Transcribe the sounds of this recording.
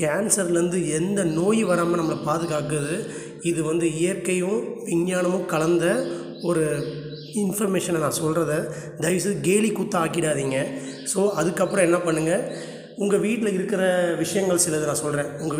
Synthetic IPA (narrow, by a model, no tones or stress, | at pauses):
kaːnsɐɾlʋɐnd̪ɯɛnd̪ɐnoːjʋɐɾaːmɐnɐmːɐɭɐpaːðɯɣaːkɯðɯ | ɪðɯʋɐnd̪ɯɪjɐɾkɐjʊ̃ʋɪɲːjaːnɐmʊ̃kɐlɐnd̪ɐ | ɔɾɯ | ɪnfɔɾmeːʂɐnnãːsɔlrɐðɯ | d̪ɐɪʋs̬ɯðɡeːlikʊt̪ːɐaːkɪɽaːðiːŋɡɐ | soːɐðɯkːɐpːɯɾɔ̃ɛnːɐpɐɳːɯŋɡɐ | ʊŋɡɐʋiːʈːɪlɐɪɾɯkːɪɾɐʋɪʂɐjɐŋɡɐɭsɪlɐðɯnãːsɔlrẽːʊŋɡɐ